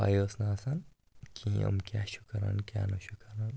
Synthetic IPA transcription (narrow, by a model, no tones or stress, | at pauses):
a̰josnaːsɐn | kʰĩɐ̰mkjaʃu̥kɐɾa̰nkja̰ːnɐʃukɐɾan